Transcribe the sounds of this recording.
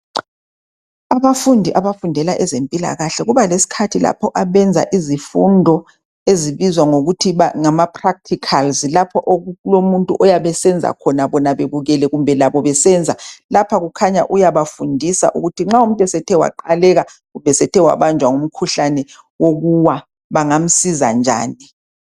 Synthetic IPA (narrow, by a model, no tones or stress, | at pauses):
aβafundʱiʔaβafundʱɛlaʔɛzempʼila̰ɣaɬɛɣuβalesi̥kʰatʰila̰pʰɔʔaβɛnd͡zʱa̰ʔizifundʱɔ | eziβizwaŋoɣutʰiaŋamapʰrak̚tʰikʰalzlapʰɔʔolomuntʼṵʔɔjaβɛsɛnd͡zʱa̰kʰɔnaβɔnaβeβuɣɛlɛɣumbʱɛlaβɔβɛsɛnd͡zʱalapʰaɣukʰaɲa̰ʔujaβafundʱisa̰ʔṵɣutʰiŋ͡ǁaum̩tʼɛsɛtʰɛwa̰ǃalɛɣaɣumbʱɛsɛtʰɛwa̰βand͡ʒʱwaŋum̩kʰuɬanɛ | woɣuwa | βaŋam̩siza̰nd͡ʒʱa̰ːni